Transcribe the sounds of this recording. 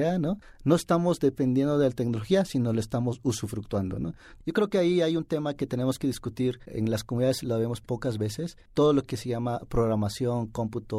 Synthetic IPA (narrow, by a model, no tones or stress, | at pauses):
anono̞est̪amo̞zd̪e̞pe̞nd̪je̞nd̪oðelat̪eknoloxiasinoloest̪amo̞susufɾuk̚t̪wand̪o̞̰no̰ | ʝo̞kɾe̞okeaiajunt̪e̞make̞t̪e̞ne̞mo̞skeðiskut̪iɾḛŋlaskomuniðaðesloaβe̞mospo̞kazβe̞se̞st̪oð̞olo̞ke̞seʝamapɾoɣɾamasjo̞ŋko̞mput̪o